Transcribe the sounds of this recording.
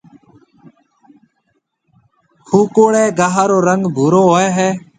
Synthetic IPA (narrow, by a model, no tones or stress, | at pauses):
hʰuːkoːɽẽːɡaːɦaːɾoːɾəŋɡbʱuːɾoːɦoːɛːɦɛː